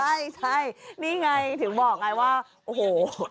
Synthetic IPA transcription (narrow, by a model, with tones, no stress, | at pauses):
t͡ɕʰa˥˩jt͡ɕʰa˥˩jniː˥˩ŋa˧jt̪ʰɯ˩˦ŋbɔː˨˩k̚ŋa˧jwaː˥˩ | ʔoː˧˩hoː˨˩